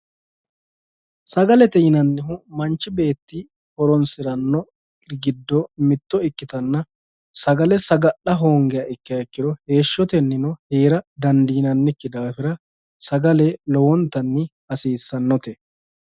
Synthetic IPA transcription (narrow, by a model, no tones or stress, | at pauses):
sɐɡɐlɛt̪ɛjɪnɐnːɪɦʊmɐnt͡ʃːɪbe̞ːt̪ːɪ | hɔɾɔnsɪɾɐnːɔ | ɡɪd̪ːɔmɪt̪ːɔɪkːɪt̪ɐnːɐ | sɐɡɐlɛsɐɡɐʔɐɦo̞ːŋɡɛjɐʔɪkːɪjɐɪkːɪd̪ɔhe̞ːʃːɔt̪ɛnːɪnɔheːɾɐd̪ɐnd̪iːnɐnːɪkːɪd̪aːfɪɾɐ | sɐɡɐlɛlɔwɔnt̪ːɐnːɪhɐsiːsːɐnːɔt̪ɛ